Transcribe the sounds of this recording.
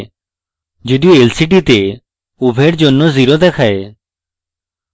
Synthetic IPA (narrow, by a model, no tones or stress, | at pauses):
d͡ʒɪd̪ijoelsɪʈ̬it̪e | ubʱeːɽd͡ʒoːnːoziɾod̪ekʰaːe